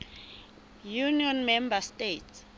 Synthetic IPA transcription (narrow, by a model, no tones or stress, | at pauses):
juniɔnmɛmbastets